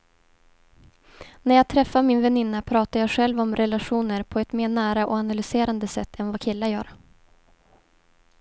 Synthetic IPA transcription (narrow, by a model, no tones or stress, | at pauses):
næɾjɑːɡ̚t̪ʰɾɛfːaɾmɪnvɛnɪnːapʰɾɑːt̪ajɑːɡɧɛlvɔmɾɛlaɧuːnəɾpʰɔɛt̪meːɳæːɾaʔɔanalʏseːɾand̪əsɛ̰t̪ːɛnvakʰɪlːajœ̰ːɾ